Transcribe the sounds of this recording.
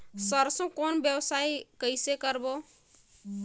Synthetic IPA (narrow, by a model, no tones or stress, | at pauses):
səɾsõkonbjəwsaikəjsekəɾbo